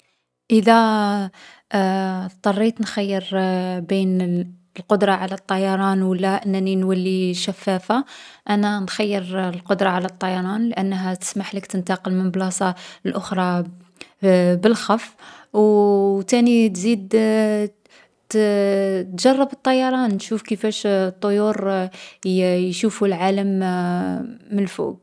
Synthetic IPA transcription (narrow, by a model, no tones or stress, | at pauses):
ʔəd̪æ | t̪ˤːɑrˤːit̪nxæjːəɾbin | əlqod̪ɾˤɑʕalæt̪ˤːɑjɑɾˤɑnwəlːæʔənːæninwælːiʃæfːæfaʔænænxæjːəɾlqod̪ɾˤɑʕalæt̪ˤːɑjɑɾˤɑnlʔənːɦæt̪ə̥smaħləkt̪ənt̪ɑqəlmənblɑsˤɑəlʔʊxɾˤɑ | bəlxɑfːwt̪ænit̪zid̪ | t̪ʒɑrˤːɑbət̪ˤːɑjɑɾˤɑnnʃufkəfæʃt̪ˤːojuɾ | jʃufulʕaləm | əlfṵb̚